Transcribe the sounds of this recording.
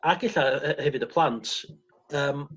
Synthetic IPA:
aɡɪɬaəhɛvɨdəpʰlˠantʰ | əːm

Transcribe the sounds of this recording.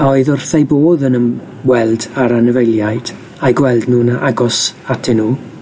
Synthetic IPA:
aɔɨðʊrθejboːðənəm | wɛlˠdaɾanəvejlˠjajd̥ | aɡwɛlˠdnuːnaʔaɡɔsatʰɪnuː

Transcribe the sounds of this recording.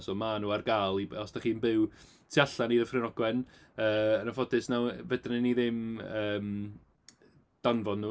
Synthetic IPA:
sɔːmanuːarɡaːlˠibɔsd̥aχiːnbɪw | tʰiaɬaneðəfrɪnɔɡwɛnəːənafɔdɨsnawvɛdnɛniðɪməːm | d̥anvɔnːuː

